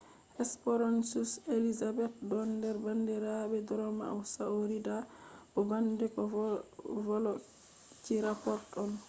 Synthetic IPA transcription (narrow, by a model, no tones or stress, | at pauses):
ʔɛspɔɾɔnsuselizabɛt̚dɔndɛɾbandɛɾabɛdɔɾɔma̰a̰wsaoɾidabɔbandɛkɔ | vɔlɔ | t͡ʃiɾapɔɾtɔn